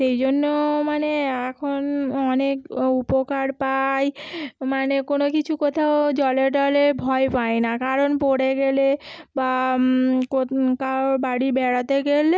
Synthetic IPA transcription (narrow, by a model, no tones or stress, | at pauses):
ʃejd͡ʑonːomaneɛkʰonɔnekupokaɾpajmanekonokit͡ɕʰukɔt̪ʰaod͡ʑɔleʈalebʱɔepaenakaɾonpoɽeɡeleba | kokabaɽibɛɽat̪eɡele